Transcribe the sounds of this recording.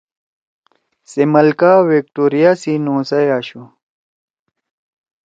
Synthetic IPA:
semɐlkaːwek̚ʈoːɾijasinõːsɐjaɕu

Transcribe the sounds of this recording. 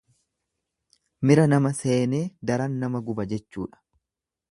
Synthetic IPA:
mɪɾɐnɐmɐse̞ːne̞ːd̪ɐɾɐnːɐmɐɡʊbɐd͡ʒɛt͡ʃːṵːᶑɐ̥

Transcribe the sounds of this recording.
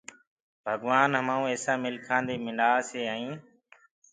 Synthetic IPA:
bʱəɡʋaːnɦəmaːũːeːsãːmɪlkʰãːnd̪eːmɪɳɖaːseːãːĩː

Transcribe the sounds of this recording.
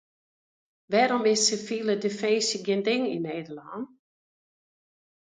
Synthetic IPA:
ʋɛɾɔmɪsəfilədefɛːsiɡendɪŋineːd̪əlɑn

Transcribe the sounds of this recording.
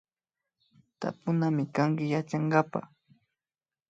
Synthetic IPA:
t̪a̰pʊnamɪkaŋkɪjat͡ʃaŋɡapa̰

